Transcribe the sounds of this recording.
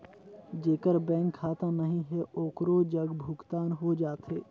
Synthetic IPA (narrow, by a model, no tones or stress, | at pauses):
d͡ʒeːkəɾbɛ̃ːŋkʰːaːt̪ãnəɦĩɦɛʔoːkɾod͡ʒəɡbʱʊɡt̪aːnɦod͡ʒaːt̪ɦɛː